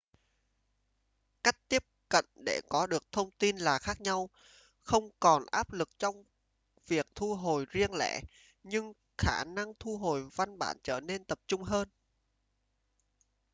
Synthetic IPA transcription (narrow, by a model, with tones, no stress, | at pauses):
ka˦˥jk̟̚t̪i˦˥əp̚kə̰˧˨nɗe˧˩kɔ˨˦ɗɨ˨˩ək̚t̪ʰə˧wŋ͡mt̪i˧nlaː˨˩xaː˦˥k̚ɲa˧w | xə˧wŋ͡mkɔ˨˩nʔaː˦˥p̚lɨ˨˩k̚t͡ɕɔ˧wŋ͡m | vi˨˩ək̚t̪ʰu˧ɦo˨˩jzi˧əŋlɛ̰ː˧˨ | ɲɨ˧ŋ | xaː˧˩na˧ŋt̪ʰu˧ɦo˨˩jva˧nɓa̰ː˧˨nt͡ɕəː˧˩ne˧nt̪ə˨˩p̚t͡ɕʊ˧ŋ͡mɦəː˧n